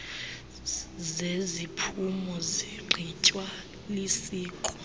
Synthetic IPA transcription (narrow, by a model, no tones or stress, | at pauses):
zezipʰumɔziɡ͡ǃʱit͡ʃʼwa | lisiːkʰɔ